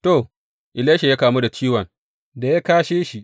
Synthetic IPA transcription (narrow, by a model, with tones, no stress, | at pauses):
to˦˨ | ʔɪ˨leː˦ʃe˨ja˦kaː˨mu˦da˨t͡ʃiː˦wɐ˨ŋ | da˨ja˦kaː˦ʃeː˦ʃi˦ʔ